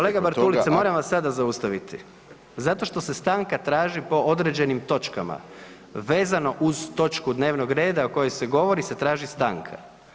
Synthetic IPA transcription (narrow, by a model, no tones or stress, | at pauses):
koleɡabaɾt̪ulit̪emo̞ːɾamʋasad̪azaust̪aʋit̪i | zat̪o̞ʃt̪o̞se̞st̪aːŋkat̪ɾaːʒipo̞ʔo̞d̪ɾed͡ʑe̞nimt̪o̞t͡ʃkama̰ | ʋe̞ːzano̞ʔuzt̪o̞t͡ʃkud̪ne̞ːʋno̞ɡɾe̞ːd̪aoko̞jojseɡo̞ʋo̞ɾise̞t̪ɾaːʒist̪a̰ːŋkʰa̰